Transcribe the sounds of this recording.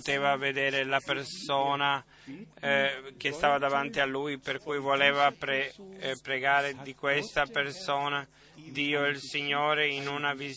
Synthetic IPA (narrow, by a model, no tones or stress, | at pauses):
t̪eːvaved̪ɛːɾelapersoːna | k̟est̪aːvad̪avant̪ialːuːjperkujvoleːvapɾepɾeɡaːɾed̪ikwest̪apersoːna | d̪iːoilsiɲːoːɾeinunaviz